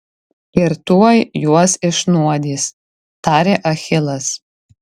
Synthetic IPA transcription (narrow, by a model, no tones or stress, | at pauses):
ɪɾt̪uɔjjuɔsɪʃnuɔd̪ʲiːs | t̪ɑːɾʲeːʔɐxʲɪlˠɐs